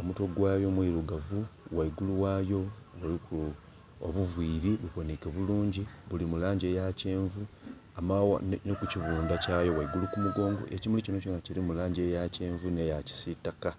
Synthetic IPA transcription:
o̞muto̞ɡwaːjo̞mwiɾuɡavuwaiɡuluwaːjo̞βuliku | o̰βuvwiːɾiβuβonikeβuluːɲɟiβulimulaːɲɟe̞ːjace̞ːɱvu | amawa̰nnekuciβuːndacaːjo̞waiɡulukumuɡo̞ːŋɡo̞̰ʔe̞cimulicino̞conaciɾimulaːɲɟe̞jace̞ːɱvune̞jaci̥sitaka

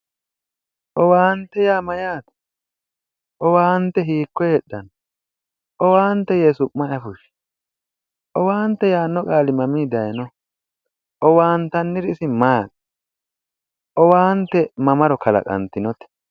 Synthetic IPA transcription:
ʔɔwaːnt̪ːɛjaːmɐjaːt̪ɐ̥ | ʔɔwaːnt̪ːɛɦiːkːɔjɛɗːɐn | ʔɔwaːnt̪ːɛjeːsʊmɐɐfʊʃ | ʔɔwaːnt̪ːɛjaːnːɔkʼaːlɪmɐmiːd̪ɐjnɔ | ʔɔwaːnt̪ɐnːɪɾɪsɪmaːk | ʔɔwaːnt̪ːɛmɐmɐɾɔkʰɐlɐ̰kʼɐ̰nt̪ɪnɔt̪ɛ̥

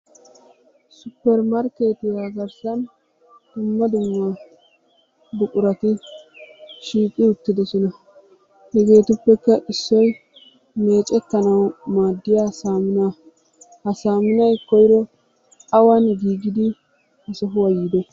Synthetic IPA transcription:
sʊpːɛɾmɐɾkeːt̪ɪjaɡɐɾsɐn | d̪̥ʊmːɐd̪ʊmːɐ | bʊkʼʊɾɐt̪ɪ | ʃiːkʼɪʊt̪ːɪd̪ɔsɔnɐ | hɛɡe̞ːt̪ʊpːɛkːɐʔɪsːɔj | me̞ːt͡ʃʼɛt̪ːɐnɐwmaːd̪ːɪjaːsaːmʊna | hɐsaːmʊnɐjkɔjɪɾɔ | ɐwɐnɡiːɡɪd̪ɪ | ɐsɔɦʊwɐjiːd̪ɔ

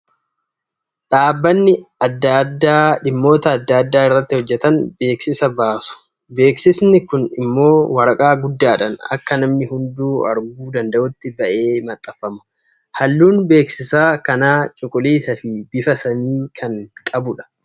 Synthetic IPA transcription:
ᶑaːbːɐnːɪɐd̪ːad̪ːaːᶑɪmːo̞ːt̪ɐːd̪ːaːd̪ːaːɪrːɐt̪ːɪhɔd͡ʒːɛt̪ɐnbe̞ːksɪsɐbaːsʊ̥ | be̞ːksɪsnɪkʊnɪ̰mːo̞ːwɐɾɐkʼaːɡʊd̪ːaːᶑɐnɐ̰kːɐnɐmnɪhʊnd̪uːɐ̰ɾɡuːd̪ɐnd̪ɐʔʊt̪ːɪbɐʔe̞ːmɐt̪ʼːɐfːɐmɐ̥ | hɐlːuːnbe̞ːksɪsaːkɐnaːt͡ʃʼʊkʼʊliːsɐfɪbɪfɐsɐniːkʰɐnkʼɐbʊᶑɐ̥

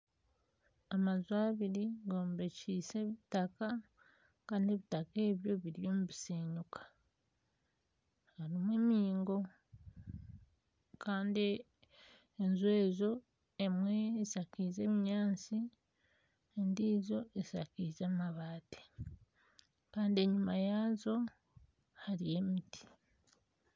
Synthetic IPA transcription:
amazwaːβiɾiɡo̞ːmbe̞ciːse̞βitaka | kaːndieβitake̞ːβjo̞βiɾjo̞ːmuβiseːɲukʰḁ | haɾimwe̞ːmiːŋɡo̞ | kaːndi | nzwe̞ːzo̞ | emwe̞sakize̞βiɲaːnt͡si | ndiːzo̞esakizaːmaβaːte̥ | kaːndie̞ɲumajaːzo̞ | haɾije̞miti̥

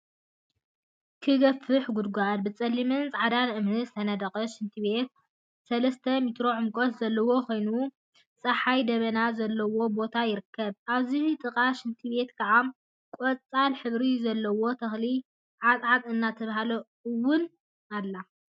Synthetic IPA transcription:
kʰɨɡɐfɨħɡud̪̚ɡʷanbɨt͡sʼɐlːimɨnt͡sʼʕad̪anʔɨmnɨzɨt̪ʰɐnɐd̪ɐkʼɐʃɨnt̪ʰiβe̞t̪̚ | sɐlɐst̪ʰɐmit̪ɾo̞ʕɨmkʼot̪zɐlːɐwo̞kʰo̞jnu | t͡sʼɐħajd̪ɐβɐnazɐlːɐwo̞bo̞t̪ʰajɪɾɨkʰːɐβʔaβziht̪ʼɨkʼaʃɨnt̪ʰibe̞t̪kʰʼɐʕam | kʼot͡sʼalħɨβɾizɐlːɐwo̞t̪ʰɐxli | ʕat͡sʼʕat̪ʼɨnːat̪ʰɐβahalɐ | ɨwːʊn | alːa

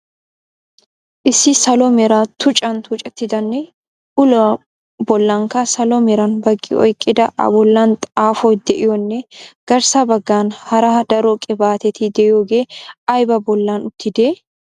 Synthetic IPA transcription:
ʔɪsːɪsɐlɔmɛɾat̪ʰʊt͡ʃʼɐnt̪ʊt͡ʃʼɛt̪ːɪd̪ɐnːɛ | ʔʊlɐ | bɔlːɐŋkɐsɐlɔmɛɾɐnbɐɡːɪ̰ʔɔ̰jkʼːɪd̪ɐʔɐ̰bɔlːɐnt̪ʼaːfɔjd̪ɛʔɪjɔnːɛɡ̥ɐɾsɐbɐɡːaːnhɐɾaːd̪ɐɾɔkʼɛbaːt̪ɛt̪ʰɪd̪ɛʔjoːɡeːʔɐjbɐbɔlːaːnʊt̪ːɪd̪eː

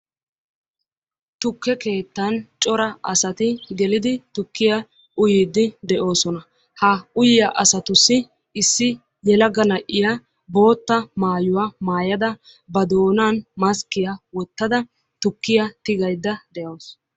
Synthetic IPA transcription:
t̪ʊkːɛke̞ːt̪ːɐnt͡ʃʼɔɾɐʔɐsɐt̪ɪɡɛlɪd̪ɪt̪ʊkːɪjɐ | ʔʊjɪːd̪ːɪd̪ɛʔo̞ːsɔnɐ | hɐʊjɪjɐʔɐsɐt̪ʊsːɪ | ɪsːɪ | jɛlɐɡɐnɐʔːɪjɐ | bo̞ːt̪ːɐmaːjʊwaːmaːjɐd̪ɐ | bɐd̪o̞ːnaːnmɐskɪjɐwɔt̪ːɐd̪ɐ | t̪ʊkːɪjɐt̪ɪɡɐjd̪ːɐd̪ɛʔɐws

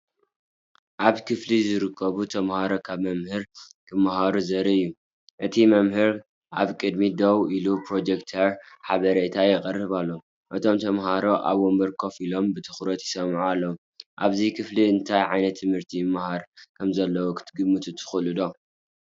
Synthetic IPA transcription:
ʔaβkʰɨflizɨɾɨkʰːɐβut̪ʰɐmhaɾo̞kʰaβmɐmhɨɾkʰɨmahaɾuzɐɾiɨjːu | ʔɨt̪ʰimɐmhɨɾ | ʔaβkʼɨd̪mid̪ɐwilupɾo̞d͡ʒekt̪ʰɐɾħaβɐɾet̪ʰajɛkʼɐrːɨβalːo | ʔɨt̪ʰo̞mt̪ʰɐmhaɾo̞ʔa̰βwombɐɾkʰo̞filo̞mbɨt̪ʰɨ̥xɾɐt̪jɪsɐmʕualːɐwu | ʔaβzikʰɨfliɨnt̪ʰajʕajnɐt̪ʰːɨmhɨɾt̪ʰimahaɾkʰɐmzɐlːɐwokʰɨ̥t̪ʰɡɨmːɨt̪ʰɨt̪ʰɨ̥xulɨd̪o̞

